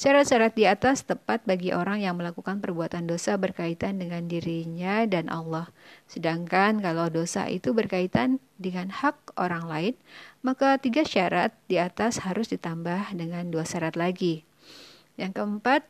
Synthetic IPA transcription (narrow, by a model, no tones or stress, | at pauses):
ʃaɾat̪̚ʃaɾat̪̚diat̪ast̪əpat̪̚baɡiʔoɾaŋjaŋməlakukanpərbuat̪andosabərkait̪andəŋandiɾiɲadanʔɑ̰lːɔhsədaŋkankalawdosa̰ʔḭt̪ubərkait̪an | dəŋanhak̚oɾaŋlaɪnmakat̪iɡaʃaɾat̪̚diat̪ashaɾʊsdit̪ambahdəŋanduaʃaɾat̪laɡi | jaŋkəəmpat̪̚